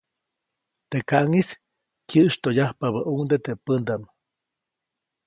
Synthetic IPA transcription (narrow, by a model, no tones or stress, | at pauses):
t̪ekaʔŋis | kjəʔʃt̪ojahpaβaʔuŋd̪et̪epənd̪am